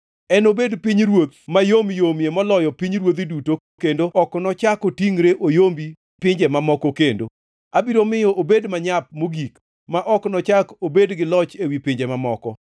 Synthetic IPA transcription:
ɛnobedpiɲɾwot̪majomjomjemɔlɔjɔpiɲɾwot̪̬iduto | kendoɔknɔt͡ʃakotiŋɾeʔojombi | pɪɲd͡ʒemamɔkɔkendo | abiɾomɪjɔʔobedmaɲap̚moɡik | maʔɔknɔt͡ʃakobedɡɪlɔt͡ʃewipɪɲd͡ʒemamɔkɔ̰

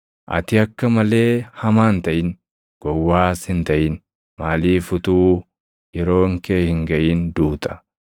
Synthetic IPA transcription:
ʔɐ̰t̪ɪɐkːɐmɐle̞ːhɐmaːnt̪ɐʔɪn | ɡ̥ɔwːaːshɪnt̪ɐʔɪn | maːliːfʊt̪uː | jɛɾo̞ːŋkeːhɪŋɡɐʔiːnd̪uːt̪ɐ̥

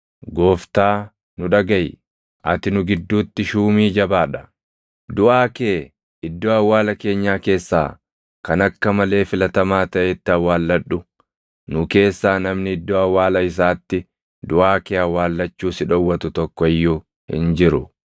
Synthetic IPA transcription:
ɡoːft̪aː | nʊᶑɐɡɐj | ʔɐ̰t̪ɪnʊɡɪd̪ːuːt̪ːɪʃuːmiːd͡ʒɐbaːᶑɐ̥ | d̪ʊʔaːke̞ː | ɪd̪ːoːɐwːaːlɐke̞ːɲːaːke̞ːsːa̰ː | kɐnɐkːɐmɐle̞ːfɪlɐt̪ɐmaːt̪ɐʔet̪ːɪɐwːaːlːɐᶑʊ | nʊke̞ːsːaːnɐmnɪɪd̪ːoːɐwːaːlɐɪs̬aːt̪ːɪ | d̪ʊʔaːkeːɐwːaːlːɐt͡ʃːuːsɪᶑɔwːɐt̪ʊt̪ɔkːɔɪjːu | hɪ̰nd͡ʒɪɾʊ

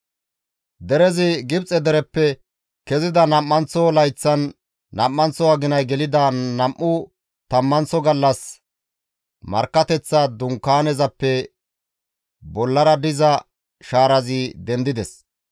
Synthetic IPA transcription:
d̪ɛɾɛzɪɡɪbt͡sʼɛd̪ɛɾɛpːɛ | kɛzɪd̪ɐnɐmːɐnt͡sːɔlɐjt͡sːɐnː | ɐmːɐnt͡sɔɐɡɪnɐjɡɛlɪd̪ɐnɐmʔːʊ | t̪ɐmːɐnt͡sɔɡɐlːɐs | mɐ̰ɾkːɐt̪ɛt͡sːɐd̪ʊŋkːaːnɛzɐpːɛ | bɔlːɐɾɐd̪ɪzɐ | ʃaːɾɐzɪd̪ɛnd̪ɪd̪ɛs

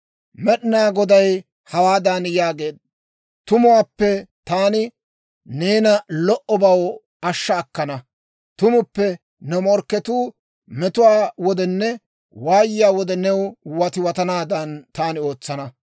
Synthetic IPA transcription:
mɛɗɪnaːɡɔd̪ɐj | hɐwaːd̪ɐnjaːɡe̞ːd̪̚ | t̪ʊmʊwaːpːɛt̪aːnɪ | ne̞ːnɐlɔʔɔbɐw | ɐʃːɐːkːɐnɐ | t̪ʊmʊpːɛ | nɛmɔɾkːɛt̪uː | mɛt̪ʊwaːwɔd̪ɛnːɛ | waːjɪjaːwɔd̪ɛnɛwwɐt̪ɪwɐt̪ɐnaːd̪ɐnt̪aːnɪo̞ːt͡sːɐnɐ

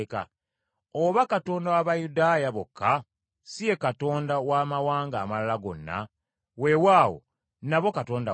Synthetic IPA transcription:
ka̰ | oβakato̞ːndawaβajudaːjaβo̞kːa | sije̞kato̞ːndawaːmawaːŋɡaːmalalaɡo̞̰nːa̰ | we̞waːwo̰ | naβo̞kato̞ːnda

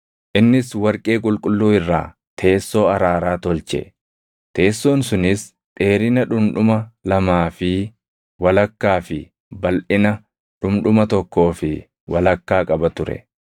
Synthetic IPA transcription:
ʔɪnːɪswɐɾkʼe̞ːkʼʊlkʼʊlːuːɪrːa̰ː | t̪ʰe̞ːsːo̞ːɐɾaːɾaːt̪ɔlt͡ʃɛ̰ | t̪e̞ːsːo̞ːnsʊnɪs | ᶑ̪ʼe̞ːɾɪnɐᶑʊmᶑʊmɐlɐmaːfɪ | wɐlɐkːaːfɪ | bɐlʔɪnɐ | ᶑʊmᶑʊmɐt̪ɔkːo̞ːfɪ | wɐlɐkːaːkʼɐbɐt̪ʊɾɛ̰

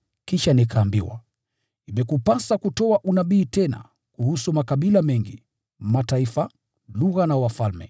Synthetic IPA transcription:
kiʃanikʰaːmbiwa̰ | imɛkupasakutɔaʔunaɓiːtɛna̰ | kuhusumakaɓilamɛŋɡḭ | mataifa | luɣanawafalmɛ

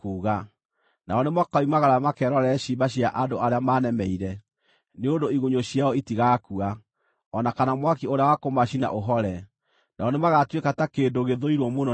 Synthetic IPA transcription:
kuːɣa | naɔnemwakaimaɣaɾamakɛɾɔɾɛɕibaɕiaʔadoaɾeamaːnɛmɛiɾɛ | neondoiɣoɲoɕiaɔitiɣakua | ɔnakanamwakioɾeawakomaɕina̰ʔoɦɔɾɛ | naɔnemaɣatwekatakeːndoɣeðoiɾwɔmonɔ

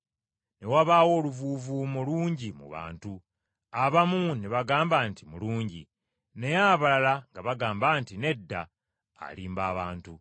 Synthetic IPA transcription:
ne̞waβaːwo̞ːluvuːvumuluːɲɟimṵβa̰ːntu | aβamuneβaɡaːmbaːntimuluːɲɟḭ | ne̞jaβalalaŋɡaβaɡaːmbaːntine̞dːa̰ː | liːmbaːβaːntu

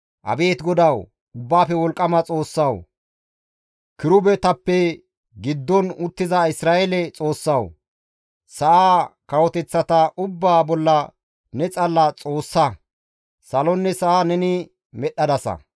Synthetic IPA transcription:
ʔɐ̰be̞ːt̪ɡɔd̪ɐw | ʊbːaːfɛwɔlkʼːɐmɐt͡sʼo̞ːsːɐw | kɪɾʊbɛt̪ɐpːɛ | ɡɪd̪ːɔnʊt̪ːɪzɐɪsɾaːʔelɛt͡sʼo̞ːsːɐw | sɐʔaːkɐwɔt̪ɛt͡sːɐt̪ɐʔʊbːaːbɔlːɐ | nɛt͡sʼɐlːɐt͡sʼo̞ːsːɐ | sɐlɔnːɛsɐʔaːnɛnɪ | mɛɗɐd̪ɐsɐ̰

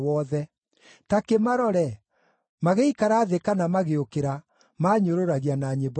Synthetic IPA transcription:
ɔðɛ | takemaɾɔɾɛ | maɣeikaɾaðekanamaɣeokeɾa | maːɲoɾoɾaɣianaːɲeb

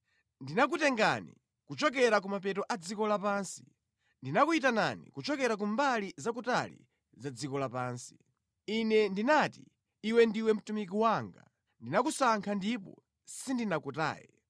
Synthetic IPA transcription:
ndinak̬utɛŋɡanḭ | kut͡ʃɔkɛɾak̬umap̬ɛtɔʔad͡zikɔlapansi̥ | ndinakuitana̰nḭkut͡ʃɔkɛɾak̬umbalizakutalḭ | zad͡zikɔlapaːnsi̥ | inɛndinati | iwɛndiwɛm̩tumikiwaːŋɡa̰ | ndinakusaŋkʰandipɔ̰ | sindinakuta̰ːjɛ̰

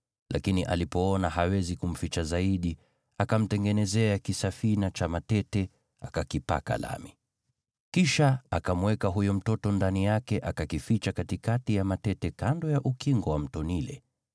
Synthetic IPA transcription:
lʔa̰kiniʔa̰lipɔɔnaɦawɛzikum̩fit͡ʃazaiɗi | akam̩tɛŋɡɛnɛzɛakisafinat͡ʃamatɛtɛ | akakipa̰ka̰la̰mi | kiʃaakamwɛkaɦujum̩tɔtɔndanijakɛʔakakifit͡ʃakatikatijamatɛtɛkandɔjaʔukiŋɡɔwam̩tɔnilɛ̰

